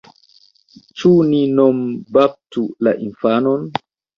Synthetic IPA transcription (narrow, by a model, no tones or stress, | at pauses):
t͡ʃuninombap̚tula̰ʔinfanon